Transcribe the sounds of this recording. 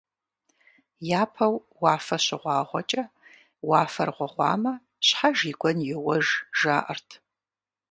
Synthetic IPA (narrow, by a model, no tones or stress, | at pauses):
jaːpʰɐw | wɑːfɐɕɪʁʷɑːʁʷɔt͡ʃʼɐ | wɑːfɐrʁʷɔʁʷɑ̰ːmɐ | ɕħaʒiːɡʷɔnjɪwɐʒʒaːʔɐrtʰ